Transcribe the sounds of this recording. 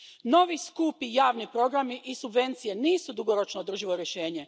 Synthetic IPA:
no̞ʋiskupijaːʋnipɾo̞ɡɾamiʔisubʋe̞nt̪sije̞niːsud̪uɡo̞ɾo̞t͡ʃnood̪r̩ʒiʋoɾjeʃe̞ːɲe̞

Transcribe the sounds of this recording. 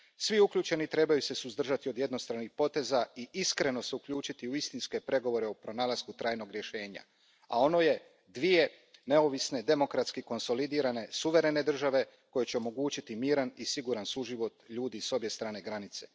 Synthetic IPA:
sʋiukʎuːt͡ʃe̞nit̪ɾe̞bajuse̞suzd̪r̩ʒat̪iod̪je̞d̪no̞st̪ɾanixpo̞t̪e̞zaiiskɾe̞no̞seukʎuːt͡ʃit̪iuist̪inske̞pɾe̞ɡo̞ʋo̞ɾe̞opɾo̞naːlaz̥kut̪ɾaːjno̞ɡɾjeʃe̞ːɲa̰ | a̰o̞no̞je̞ | d̪ʋije̞ | ne̞o̞ʋisne̞d̪e̞mo̞kɾat̪skiko̞nso̞lid̪iːɾane̞suʋe̞ɾe̞ne̞d̪r̩ʒaʋe̞ | ko̞jet͡ɕeo̞mo̞ɡuːt͡ɕit̪imiːɾanisiɡuːɾansuʒiʋo̞t̪ʎuːd̪iso̞bje̞st̪ɾaːne̞ɡɾanit̪se̞

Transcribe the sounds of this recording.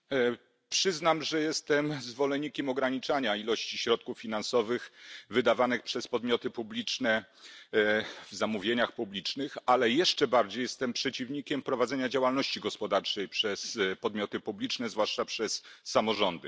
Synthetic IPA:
pʂɘznamʐɛjɛst̪ɛmzvɔlɛɲːikʲɛmɔɡɾaɲit͡ʂaɲailɔɕt͡ɕiɕɾɔt̪̚kufːʲinansɔvɘxvɘd̪avanɘxpʂɛspɔd̪mʲjɔt̪ɘpublʲit͡ʂnɛ | vzamuvʲjeɲaxpublʲit͡ʂnɘxalɛjɛʂt͡ʂɛbaɾd͡ʑejɛst̪ɛmpʂɛt͡ɕivɲikʲɛmpɾɔvad̪zɛɲad͡ʑawalnɔɕt͡ɕiɡɔspɔd̪aɾt͡ʂɛjpʂɛspɔd̪̚mʲjɔt̪ɘpublʲit͡ʂnɛzvwaʂt͡ʂapʂɛsːamɔʐɔnd̪ɘ

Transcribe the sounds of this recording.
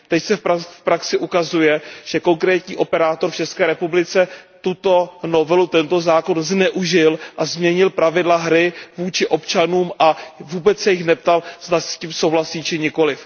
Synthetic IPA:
t̪ɛcsɛfpafpɾaksɪʔukazujɛʒ̥ɛko̞ŋkɾɛːt̪ɲiːʔo̞pɛɾaːt̪o̞ɾft͡ʃɛskɛːɾɛpublɪt͡sɛt̪ut̪o̞no̞vɛlut̪ɛnt̪o̞zaːko̞nznɛʔuʒɪlʔazmɲɛɲɪlpɾavɪdlaɦɾɪvuːt͡ʃɪʔo̞pt͡ʃanuːmʔavuːbɛt͡ssɛjɪxnɛp̚t̪alz̥d̪ascimsowɦlasiːt͡ʃɪɲɪko̞lɪf

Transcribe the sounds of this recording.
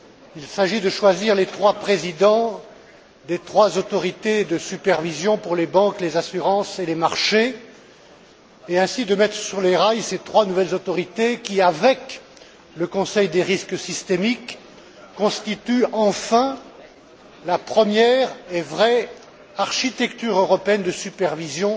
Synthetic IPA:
ilsaʒid̪əʃwaziʁlet̪χwapχezid̪ɑ̃ | d̪et̪χwazot̪ɔʁit̪ed̪əsypɛʁvizjɔ̃puʁlebɑ̃klezasyʁɑ̃selemaʁʃe | eɛ̃sid̪əmɛt̪χəsyʁleʁajset̪χwanuvɛlzot̪ɔʁit̪ekʲiavɛk | ləkɔ̃sɛjd̪eʁiskəsist̪emikː | ɔ̃st̪it̪yɑ̃fɛ̃ | lapχəmjɛʁevʁɛ | aʁʃit̪ɛkt̪yʁøʁɔpeɛnd̪əsypɛʁvizjɔ̃

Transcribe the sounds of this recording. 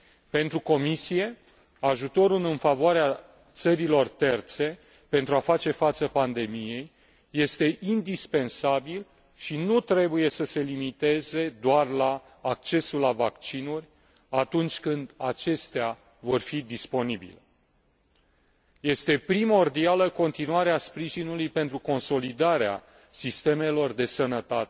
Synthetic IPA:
pe̞nt̪ɾuko̞misije̞ | aʒut̪o̞ɾulɨnfavoaɾea | t̪səɾilo̞rt̪e̞rt̪se̞ | pe̞nt̪ɾuafat͡ʃe̞fat̪səpand̪e̞mije̞jː | e̞st̪e̞ʔind̪ispe̞nsabil | ʃinut̪ɾe̞buje̞səse̞limit̪e̞ze̞d̪oarlaː | k̚t͡ʃe̞sulːavakt͡ʃinurʲ | at̪unt͡ʃʲkɨnd̪at͡ʃe̞st̪ea | vo̞rfid̪ispo̞nibḭle | je̞st̪e̞pɾimo̞rd̪ialəko̞nt̪inuaɾeaspɾiʒinulujpe̞nt̪ɾuko̞nso̞lid̪aɾea̰ | sist̪e̞me̞lo̞rd̪e̞sənət̪at̪e

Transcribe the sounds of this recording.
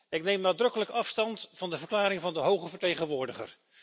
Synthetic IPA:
ɪknejmnaːdrɵkələkɑfstɑntvɑndəvəɹklaːɾɪŋvɑndəɦowχəvəɹtejχənʋʊːɹdəχə̰r

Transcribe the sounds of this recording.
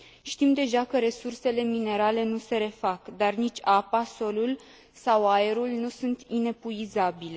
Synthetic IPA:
ʃt̪imd̪e̞ʒakəɾe̞surse̞le̞mine̞ɾale̞nuse̞ɾe̞fakd̪arnit͡ʃʲapaso̞lul | sawaeɾulnusunt̪ine̞puizabile

